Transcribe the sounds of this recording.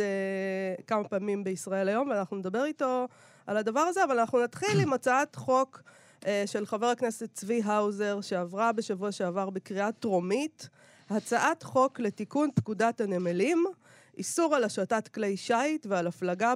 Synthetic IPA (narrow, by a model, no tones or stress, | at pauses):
e | kamapaːmimbe̞isʁae̞lajo̞mveanaχnuned̪abe̞ʁito̞ | alad̪avaʁazeavalanaχnunat̪χilimat͡saatχo̞k | ʃe̞lχave̞ʁakne̞se̞tt͡sviɦawze̞ʁʃe̞avʁabe̞ʃavuaʃeavaʁbekʁiatʁo̞mit | hat͡saʔatχo̞kle̞tikunpkudatane̞melim | ʔisuʁalaʃatatklejʃajitvealaflaɡa